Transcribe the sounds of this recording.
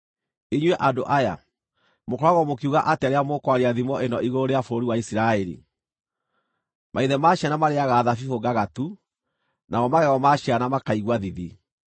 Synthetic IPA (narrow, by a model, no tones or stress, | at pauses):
eɲwɛʔadoʔaja | mokɔɾaɣɔmokiuɣaʔateaɾeamokwaɾeaðimɔʔenɔʔiɣoɾeafooɾiwaisiɾaɛɾḭ | mʔaiðɛmaʃanamaɾeaɣaːðafifoɡaɣatu | naɔmaɣɛɣɔmaʃianamakaiɣwaðiði